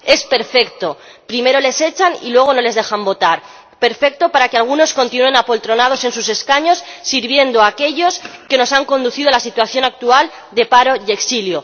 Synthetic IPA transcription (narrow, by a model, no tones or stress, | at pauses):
e̞spe̞ɾfe̞k̚t̪o̞ | pɾime̞ɾo̞le̞se̞t͡ʃanḭlwe̞ɣ̞o̞no̞le̞zðe̞xambo̞t̪aɾ | pe̞ɾfe̞k̚t̪o̞paɾakealɣ̞uno̞sko̞nt̪inue̞napo̞lt̪ɾo̞nað̞o̞se̞nsuse̞skaɲo̞sːiɾβje̞nd̪oake̞ʎo̞ske̞no̞saŋko̞nd̪uθiðoalasit̪waθjo̞nak̚t̪ual | d̪e̞paɾo̞ʝeksiljo̞